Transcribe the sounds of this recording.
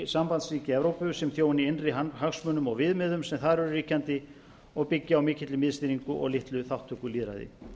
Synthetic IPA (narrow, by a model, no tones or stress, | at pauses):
sampant̪sɾiːcɪɛvɾowpʏsɛmθjoːwnɪɪnrɪahaxsmœnʏmɔɣvɪðmɪðʏmsɛmθaɾɛɾʏriːhcant̪ɪ | ɔɣpɪcːɪawmɪːcʰɪt̪lɪmɪðst̪iniŋkʏʔɔ̰ɣlɪht̪lʏθawht̪ʰːʏkʏliːðɾa̰jðɪ̰